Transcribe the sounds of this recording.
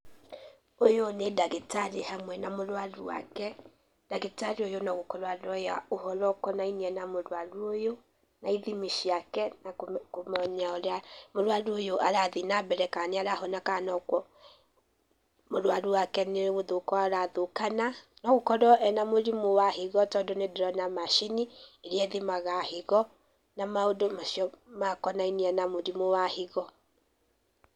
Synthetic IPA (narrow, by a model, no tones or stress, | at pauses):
ojonedaɣetaɾehamwɛnamoɾwaɾuwa̰kɛ | d̥aɣetaɾiojonɔɣokɔɾɔaɾɔjaoɦɔlɔkɔnainiɛnamoɾaɾuojo | naiðimiʃiakɛnakomɔɲaoɾeamoɾaɾuojoʔaɾaðinabɛɾɛkaneaɾaɦɔnakanɔkwɔ | moɾwaɾuwakɛneɣoðokɔaɾaðokananɔɣokɔɾɔɛnamoɾimowaheɣɔtɔːndonedeɾɔnamaʃinieɾeɛðimaɣaheɣɔ | namaodomaʃiɔmakɔnaineɛnamoɾimowaheɣɔ